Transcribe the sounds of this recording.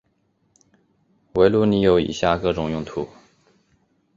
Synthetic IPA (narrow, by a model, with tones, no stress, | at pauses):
we˧˥ɪlu˥ni˧˥jo˧˥ʊḭ˨˩ɕja˥˧˩kɤ˥˩ʈ͡ʂʊ˨˩ŋjʊ˥˩ŋt̪ʰu˧˥